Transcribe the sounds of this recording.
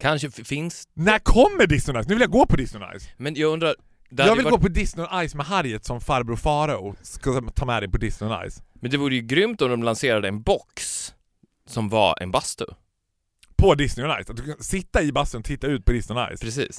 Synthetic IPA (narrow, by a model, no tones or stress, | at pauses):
kʰanʂəfɪnsnæɾkʰɔmːəɖɪsnɪʊnajsnʉvɪljaɡoːpʰɔd̪ɪsnɪʊna̰jsmɛnjɑɡɵnd̪ɾaɾ | d̪ɛajːɡvɪlɡoːpɔd̪ɪsnɪʊʔajsmɛɦaɾjət̪sɔmfaɾbɾufɑːɾaʊskat̪ʰɑːmɛd̪ɛjpʰɔd̪ɪsnɪʊna̰jsmɛnd̪ɛvuːɾəjɵɡɾʏmt̪ɔmd̪ɔmlanseːɾad̪əɛnbɔksː | ɔmva̰ɛ̰nbast̪ʊ̰ | pʰɔd̪ɪsnɪʊna̰jsat̪̚d̪ɵkʰansɪt̪ːaɪbast̪ənɔt̪ʰɪt̪ːaʉ̟ːt̪̚pʰɔd̪ɪsnɪʊna̰jspʰɾɛsḭːs